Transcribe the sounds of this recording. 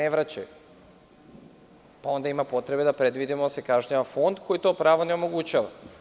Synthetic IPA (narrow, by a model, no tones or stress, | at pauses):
neʋɾat͡ɕa̰ju | pao̞nd̪aimapo̞t̪ɾebe̞d̪apɾed̪ʋid̪imosekaʒɲaʋafo̞nd̪kʰo̞jit̪o̞ːpɾaːʋo̞neo̞mo̞ɡut͡ɕaʋa̰